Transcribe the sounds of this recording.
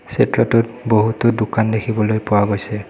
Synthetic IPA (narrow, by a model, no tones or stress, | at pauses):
setɹɔtɔt̚ | boɦutodukandekʰibɔlojpʊwaɡojsɛ